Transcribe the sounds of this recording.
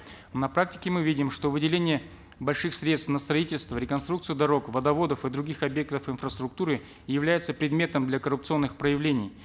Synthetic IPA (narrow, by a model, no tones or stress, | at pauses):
nɐpɾak̚tʲɪ̥kʲɪmɨvʲidʲɪmʂt̪o̞vɨdʲɪlʲenʲɪjə | bɐlʲʂɨxsɾʲe̞t̪st̪nəst̪ɾɐitʲɪlʲst̪vəɾʲɪkɐnst̪ɾukt̪sɨjɪd̪ɐɾo̞kvəd̪ɐvo̞d̪əfɨd̪ɾʊɡʲixɐbʲje̞k̚t̪əfɨnfrəst̪ɾʊk̚t̪uɾɨ | jɪvlʲæjɪt̪səpɾʲɪd̪mʲe̞t̪əmd̪lʲɐkəɾʊpt̪sɨo̞nːɨxpɾəjɪvlʲenʲɪj